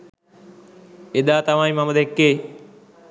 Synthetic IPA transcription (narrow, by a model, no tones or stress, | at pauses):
ɪɗ̪aːt̪əʋ̤ãːĩːmãːməd̪ʱekːeː